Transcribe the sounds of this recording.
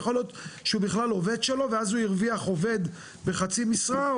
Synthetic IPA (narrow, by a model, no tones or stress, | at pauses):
χo̞lijo̞t̪ʃeubiχlalo̞ve̞d̪ʃelo̞veazhujiʁviaχo̞ve̞d̪ | be̞χat͡simisʁa